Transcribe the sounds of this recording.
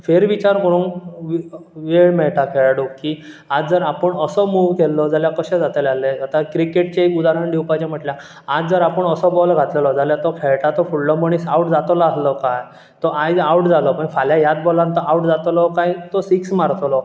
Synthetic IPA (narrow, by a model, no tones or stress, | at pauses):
feɾʋit͡ɕaɾkəɾũːnʋʋeɭmɛɭʈakʰeɭɽukiː | ad͡zd͡zəɾapəɳəsɔmuʋkelːɔd͡zaljakəɕɛ̃d͡zat̪elaleat̪akɾikeʈ̚t͡ɕekud̪aɾəɳɖiwpat͡ɕẽm̤əʈlja | ad͡zd͡zəɾapəɳəsɔbɔlɡʱat̪lelɔd͡zaljat̪ɔkʰeɭʈat̪ɔfuɽlɔməɳ̃isawʈd͡zat̪ɔlɔaslɔkaj | t̪ɔʔajawʈd͡zalɔpəɳfaljajad̪̚bolãnt̪ɔʔawʈd͡zat̪lɔkajt̪ɔsiksmaɾt͡slɔ